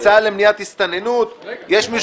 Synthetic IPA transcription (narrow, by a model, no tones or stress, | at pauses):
t͡salemnijat̪hist̪anenut̪jeʃmiʃ